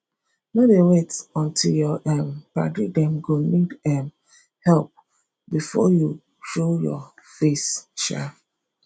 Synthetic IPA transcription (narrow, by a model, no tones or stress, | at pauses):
nɔ̃dewetɔ̃ntʰiljɔʔɛmpa̰ɡidɛ̃mɡonidɛm | hɛlp̚ | bifɔju | ʃojɔ̰fesʃa̰f